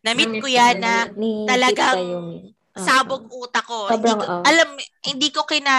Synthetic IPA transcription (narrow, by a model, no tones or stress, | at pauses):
nɐmɪt̪̚kojanːɐt̪ɐlɐɡaŋj | saːboɡ̚ʔuːt̪ɐko̞bkʔɐlamhɪnd̪iːko̞kɪnaː